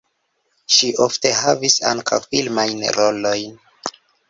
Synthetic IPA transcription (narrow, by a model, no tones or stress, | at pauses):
ʃiʔofte̞havisa̰ŋkʰa̰wfilmajnɾolo̞jn